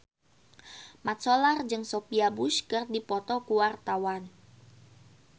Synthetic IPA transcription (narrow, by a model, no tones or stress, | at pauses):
mat̪̚solard͡ʒɨŋsopiabuskərdipɔt̪ɔkuwart̪awan